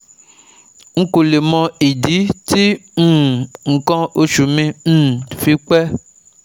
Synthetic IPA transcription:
ŋ̩˦ko˨le˨mɔ̃˧i˨di˨˦ti˦ŋũ˦˨ŋ̩˨kɔ̃˦ʔo˦ʃu˨mĩ˧ñ̩˦˨fi˦k͡pɛ˦

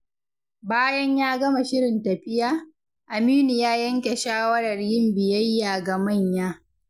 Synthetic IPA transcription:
baː˦jɐ˦ɲjaː˦ɡɐ˦ma˨ʃɪ˦ɾɪ˨ntɐ˨ɸɪ˦jaː˦ | ʔa˨miː˦ni˨jaː˦jɐ˦ŋkʲe˨ʃaː˦wɐ˦ɽɐ˨rjɪ˦mbɪ˨jɐ˦jːaː˨ɡa˨mɐ˦˨ɲjaː˦

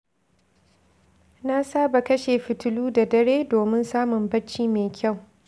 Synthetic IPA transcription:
na˦saː˦ba˨kɐ˦ʃeː˨ɸɪ˨tʊ˦luː˦da˨dɐ˦ɾeː˦doː˨mɪ˦nsaː˦mʊ˨mbɐ˦t͡ʃːiː˦meː˨kʲa˦˨w

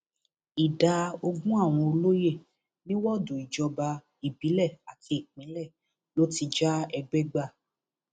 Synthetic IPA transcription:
i˨da˧o˧ɡũ˦a˦˨w̃ɔ̃˧o˧lo˦je˦˨ | nĩ˦wɔ˦dũ˨i˨d͡ʒɔ˨˧ba˧ | i˨bi˨˦lɛ˦˨a˨tʰi˧˦i˨k͡pĩ˨˦lɛ˦˨ | lo˦ti˧d͡ʒa˦ɛ˧ɡ͡bɛ˦ɡ͡ba˦˨

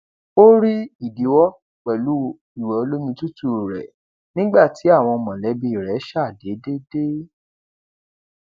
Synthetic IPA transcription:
o˦ɾi˦i˦˨di˨˦wɔ˦ | k͡pɛ˨lu˨˦ | i˦˨wɛ˨o˧lo˦mĩ˧tu˦tu˦˨ɾɛ̰˨ | nĩ˦ɡ͡ba˦˨ti˨˦a˦˨w̃ɔ̃˧mɔ̃˨lɛ˨˦bi˧i˨ɾɛ˨˦ʃa˦˨de˨˦de˦de˦

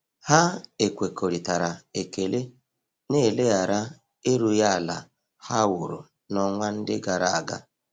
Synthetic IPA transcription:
ha˦e˨kʷe˨ko˨ɾi˨ta˨ɾa˨e˨ke˨le˦ | ne˦˨le˦a˨ɾa˦ | e˦ɾu˦ja˦˨la̰˨ | ha˦wʊ˨ɾu˨ | nɔ˦ŋʷa˦n̩˦dɪ˦ɡa˨ɾa˨a˨ɡa̰˦

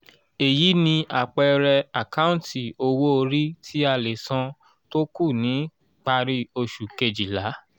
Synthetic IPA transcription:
e˨ji˨˦nĩ˧a˨k͡pɛ˧ɾɛ˧a˨ka˦ũ˦˨˦ti˨o˧wo˦o˧ɾi˦tʰi˦a˦˧˨le˨sã˧ | to˦ku˦˨nĩ˨˦ | k͡pa˧ɾi˧o˧ʃu˨ke˧d͡ʒi˨la˨˦

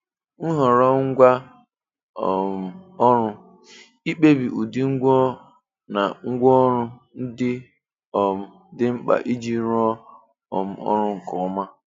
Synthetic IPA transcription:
n̩˦ɦɔ˨ɾɔ˦ŋ̩˦ɡʷa˦ | ɔ˨ɔ˦ɾʊ˦ | i˦k͡pe˦bi˨ʔu˨di˦ŋ̩˦ɡʷo˦ | na˨ŋ̩˦ɡʷɔ˦ɾʊ˦ | n̩˦dɪ˦ | ɔ˨m̩˦ | dɪ˦ŋ͡m̩˦k͡pa̰˨ʔi˦d͡ʒi˦ɾu˦ɔ˦ | ɔ̰˨m̩˦ɔ̰˦ɾʊ˦ŋ̩˨kɔ˨˦ma˦

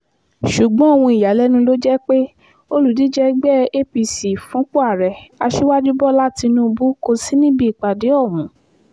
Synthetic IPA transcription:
ʃu˨ɡ͡bɔ̃˨˦o˦˨w̃ũ˧i˨ja˨lɛ˦nũ˧˦lo˦d͡ʒɛ˦k͡pe˦ | o˦lu˨di˨˦d͡ʒɛ˦ɡ͡bɛ˦e˦pi˧si˨fũ˨˦k͡pu˦a˦˨ɾɛ˨a˧ʃe˦wa˦d͡ʒu˦bɔ˦la˦ti˧nũ˦˧bu˦ko˧si˦nĩ˦bi˦i˨k͡pa˨de˨˦ɔ˦˨mũ˨˦

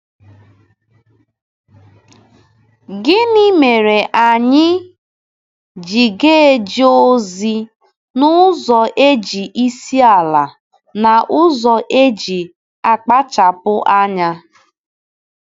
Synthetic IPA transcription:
ɡɪ˦ni˦me˨ɾe˨ʔa˨ɲɪ˦ | d͡ʒi˨ɡe˦d͡ʒi˦o˦zi˦ | nʊ˦zɔ˨ʔe˦d͡ʒi˨ʔi˦si˦a˨la˨ | na˨ʔʊ˦zɔ˨ʔe˦d͡ʒi˨ | a˨k͡pa˦t͡ʃa˨pʊ˦ʔa˦ɲa˦

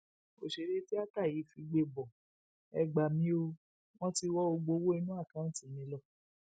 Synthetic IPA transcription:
o˨ʃe˨ɾe˦ti˦a˦ta˦˨ji˨˦fi˧ɡ͡be˧bɔ˨ | ɛ˧ɡ͡ba˨mĩ˨˦o˧ | w̃ɔ̃˦ti˧wɔ˦o˧ɡ͡bo˧wo˦i˧nũ˦a˦˨kã˦˨ti˦˨mĩ˨˧˦lɔ˦˨

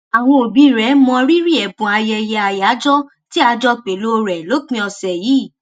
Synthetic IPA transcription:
a˨w̃ɔ̃˧o˨bi˧˨ɾɛ˨˦mɔ̃˧ɾi˦ɾi˦ɛ˨bũ˨a˧jɛ˧jɛ˧a˨ja˨˦d͡ʒɔ˦ | ti˦a˧˦d͡ʒɔ˦k͡pe˨lo˦˧ɾɛ˨lo˨˦k͡pĩ˧ɔ˧sɛ˨jiː˨˦˨

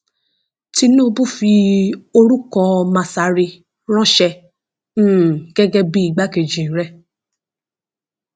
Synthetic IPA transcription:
ti˧nõ˦bu˦fi˧o˧ɾu˦kɔ˧mã˨sa˨ɾi˧ | ɾ̃ɔ̃˦ʃɛ̃˧˦˨ | ɡ̥ɛ˦ɡɛ˧bi˦i˨ɡ͡ba˦ke˨d͡ʒĩ˨˦ɾɛ˦

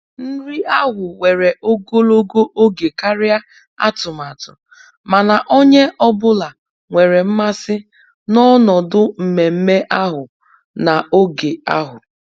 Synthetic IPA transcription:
n̩˦ɾi˦a˦ɦʊ˨we˨ɾe˨ʔo˦ɡo˦lo˦ɡo˦ʔo˦ɡe˨ka˦ɾɪ˦a˦ | a̰˦tʊ˨ma˨tʊ˨ | ma˨na˨ʔo˦ɲe˦ʔɔ˦bʊ˦la˨ | ŋʷe˨ɾe˨m̩˦ma˦sɪ˦ | nɔ˦nɔ˨dʊ˦m̩˨me˨m̩˦me˦ʔa˦ɦʊ˨ | na˨o˦ɡe˨a̰˦ɦʊ˨

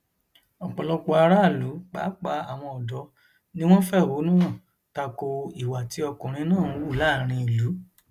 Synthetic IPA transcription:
ɔ˨k͡pɔ˨lɔ˧k͡po˧a˧ɾa˦˨lu˨˦k͡pa̰˨˦k͡pa˧˦a˨w̃ɔ̃˧ɔ˨dɔ˨˦ | nĩ˦w̃ɔ̃˦fɛ˦˨ho˨˦nũ˦nã˦˨ | ta˧ko˧i˨wa˨ti˨˦ɔ˧kũ˨ɾ̃ĩ˧nãː˦˨˦wu˦˨la˦˨ɾ̃ĩ˧i˨lu˨˦

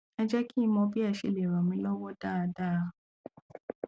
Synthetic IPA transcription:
ɛ˦d͡ʒɛ˦kĩ˦˧˦mɔ̃˧bi˦a˦˨ʃe˨le˨ɾɔ̃˨mĩ˧˦lɔ˦wɔ˦da˦˨a˧da˦˨˧

